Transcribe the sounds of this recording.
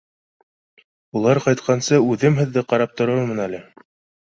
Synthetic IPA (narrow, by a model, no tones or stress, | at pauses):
ulˠɑɾqɑjt̪̚qʰɑnsɤʉðɘmɦɘ̆ðːɘqɑɾɑp̚t̪ŏɾɤɾmɤnælɘ